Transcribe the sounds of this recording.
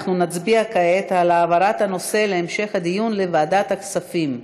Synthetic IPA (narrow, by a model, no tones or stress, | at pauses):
χnunat͡sbiakaet̪alaːvaɾat̪hano̞se̞leːmʃe̞χhad̪ijunle̞vaːd̪at̪haksafim